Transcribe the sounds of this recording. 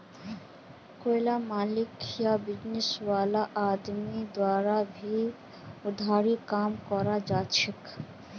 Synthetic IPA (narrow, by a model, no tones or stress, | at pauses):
kojlamaːlɪkjabɪd͡ʒnɪswaːlaʔaːd̪mid̪waːɾabʱi | ʊd̪ʱaːɾikaːmkɔɾad͡ʒaːt͡ʃʰik